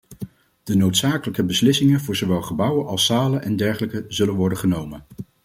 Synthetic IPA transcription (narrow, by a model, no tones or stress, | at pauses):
d̥ənowtsaːkələkəbəslɪsɪŋənvʊːɹzowʋɛlˠχəbʌwənʔɑlˠsaːlənʔɛndɛɹχələkəzɵlənʋɔɹdəχənowmən